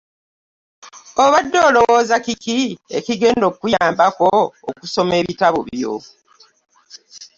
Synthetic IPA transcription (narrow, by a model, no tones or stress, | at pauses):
oβadːoːlo̞wo̞ːzakikiḛkiɡe̞ːndo̞kujaːmbako̞ːkuso̞me̞ːβitaβo̰βjo̰